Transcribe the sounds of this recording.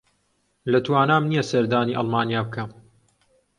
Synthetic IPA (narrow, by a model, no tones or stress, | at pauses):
lɐt̪waːnaːmnijɛsɐɾd̪aːniːʔɑ̰lˠmaːnijaːbɨkʰɐm